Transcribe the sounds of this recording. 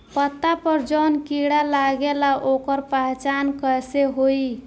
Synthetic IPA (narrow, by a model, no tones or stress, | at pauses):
pət̪ːapəɾd͡ʒənkiɽalaɡelaʔokəɾpaɦt͡ʃankəseɦoi